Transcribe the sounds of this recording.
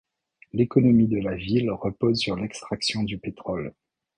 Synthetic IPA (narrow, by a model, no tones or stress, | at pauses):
lekɔnɔmid̪əlavilʁəpozsyʁlɛkst̪χaksjɔ̃d̪ypet̪χɔl